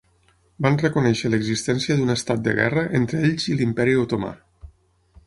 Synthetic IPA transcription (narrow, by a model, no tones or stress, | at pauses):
banrəkunɛʃələɡzist̪ɛnsiəðunəst̪at̪̚d̪ə̰ɣɛ̰rəʔent̪ɾəeʎzilimpɛɾiot̪oma̰